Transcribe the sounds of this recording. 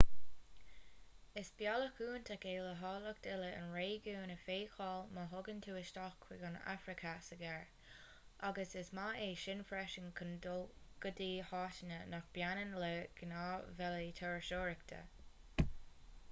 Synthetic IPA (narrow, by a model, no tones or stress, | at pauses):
ɪsb̥jaləkuːnt̪ʰaɡeːləɦɑːlʊkt̪ɪləə̰nɹeːɡuːnəfeːkʰɑːlməɦʊɡənt̪ʰuːɪʃtɔxkʰwɪɡəna̰fɾɪkʰasəɡɛɹ | ʔaɡəsɪsmaeːʃɪnfɾɛʃənkʰəndolɡ̥əd̪iːhɑːʃənənaxb̥janənləɡ̥ənaːvɛlət̪ʰɔɹʃoːɹəkt̪ʰə̰